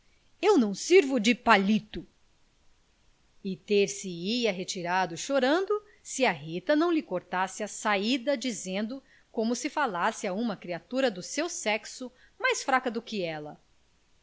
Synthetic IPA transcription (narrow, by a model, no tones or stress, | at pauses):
ewnɐ̃w̃siɾvʊd͡ʒɪpalit̪ʊ | ɪt̪eɾsɪiɐɦet͡ʃiɾad̪ʊʃoɾɐ̃nd̪ʊ | sɪɐɦit̪ɐnɐ̃w̃lɪkoɾt̪asɪɐsaid̪ɐd͡ʒizẽnd̪ʊ | kõmʊsɪfalasɪaũmɐkɾiat̪uɾɐd̪ʊsewsɛksʊ | majsfɾakɐd̪ʊkɪɛlɐ